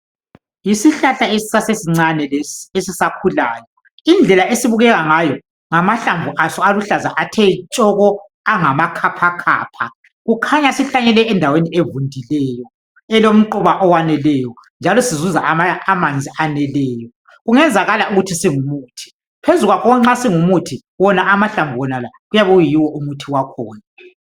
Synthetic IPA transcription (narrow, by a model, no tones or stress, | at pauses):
jisiɬaɬaesi̥sasesiŋ͡ǀanɛesisakʰulaːjɔ | ind͡ɮʱɛlaʔesiβuɣɛɣaŋajɔ | ŋamaɬaɱvʱuʔasɔaluɬazaʔatʰɛt͡ʃʼɔɣɔ | aŋamakʰapʰakʰa̰ːpʰa̰ | ɣukʰaɲasiɬaɲɛlɛɛndʱawenievundʱilɛjɔ | ɛlom̩ǃuβaʔɔwanɛlɛjɔ | nd͡ʒʱalɔsizuza̰aamand͡zʱiʔanɛlɛːjɔ | ɣuŋɛnd͡zʱaɣalaʔuɣutʰisiŋumuːtʰi̥ | pʰezuɣwakɔŋ͡ǁasiŋumutʰi | wɔnaʔamaɬaɱvʱuwɔnala | ɣujaβɛɣujiwɔʔumutʰiwakʰɔːna